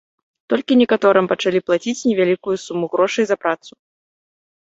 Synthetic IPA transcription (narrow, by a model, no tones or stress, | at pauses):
t̪ɔlʲkʲinʲɛkat̪ɔɾɨmpɐt͡ʂalʲiplˠat͡sʲit͡sʲnʲɛvʲalʲikujusumuɣɾɔʂɐjzɐpɾat̪su̥